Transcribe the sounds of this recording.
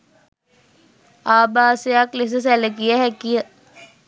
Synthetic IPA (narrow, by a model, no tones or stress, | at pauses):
aːbaːsejakles̬əs̬æləkijəɦɛkijə